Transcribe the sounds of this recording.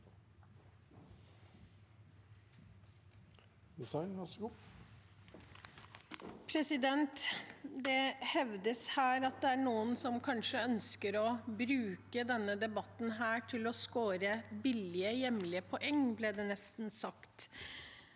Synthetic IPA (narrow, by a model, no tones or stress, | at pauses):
d̪ɪsɑɪnɡɑsɡu | pʰɾɛsɪd̪ɛnt̪d̪ɛhɛʋd̪əshæːɾɑt̪̚d̪ɛæɳuːənsɔmkʰɑnʂəœnskəɾɔbɾʉːkəd̪ɛnːəd̪ɛbɑt̪n̩ɦæːʈʰɪlɔskoːɾəbɪlɪəjɛmlɪəpʰɔʔɛŋːbleːd̪ɛːnɛst̪n̩sɑkt̪